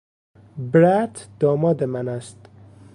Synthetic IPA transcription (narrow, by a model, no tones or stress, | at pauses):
bɾæt̪ʰd̪̥ɒːmɒːd̪emænæst̪